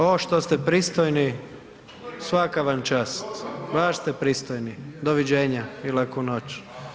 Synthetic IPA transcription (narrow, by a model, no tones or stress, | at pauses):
oʃt̪ost̪ɛpɾiːst̪ojni | sʋakaʋant͡ʃaːst̪ʋaʃst̪epɾiːst̪ojnid̪oʋid͡ʒeːɲailakunot͡ʃ